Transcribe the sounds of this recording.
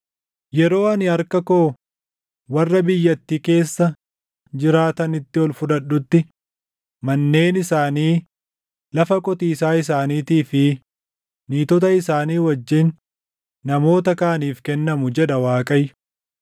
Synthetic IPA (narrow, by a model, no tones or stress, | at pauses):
jɛɾo̞ːɐnɪɐɾkɐko̞ː | wɐrːɐbɪjːɐt̪ːiːke̞ːsːɐ | d͡ʒɪɾaːt̪ɐnɪt̪ːɪɔlfʊᶑ̪ɐɗːʊt̪ːɪ | mɐnːe̞ːnɪsaːniː | lɐfɐkʼɔt̪iːsaːɪs̬aːniːt̪iːfɪ | niːt̪ɔt̪ɐɪsaːniːwɐd͡ʒːɪnː | ɐmo̞ːt̪ɐkaːniːfkɛnːɐmʊd͡ʒɛᶑ̪ɐwaːkʼɐj